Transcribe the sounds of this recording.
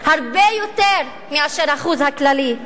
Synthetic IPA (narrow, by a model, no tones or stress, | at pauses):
haʁbejot̪eʁ | miaʃeʁhaχuzhaklali